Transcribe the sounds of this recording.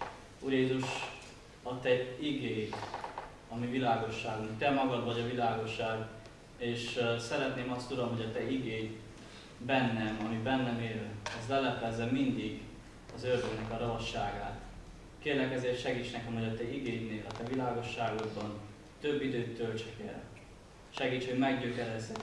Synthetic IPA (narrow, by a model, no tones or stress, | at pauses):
uːrjeːzuʃ | ɒt̪ɛiɡeː | ɒmivilaːɡo̞ʃːaːɡunt̪ɛmɒɡɒd̪vɒɟɒvilaːɡo̞ʃːaːɡ | eːʃsɛɾɛt̪neːmɒst̪ud̪omɦo̞ɟɒt̪ɛiɡeːj | bɛnːɛmɒmibɛnːɛmeːlɛzlɛlɛpɛzːɛmind̪iɡ | ɒzørd̪øɡnɛkɒɾɒɦɒʃːaːɡa̰ːt̪ | keːrlɛkɛzeːrt̪ʃɛɡiːt͡ʃnɛkɛmɦo̞ɟɒt̪ɛiɡeːdneːlɒt̪ɛvilaːɡo̞ʃːaːɡo̞d̪bɒn | t̪ø̞bːid̪øːt̪ːø̞lt͡ʃɛkɛ̰l | ʃɛɡiːt͡ʃho̞ɟmɛɡɟøːkɛɾɛzːɛ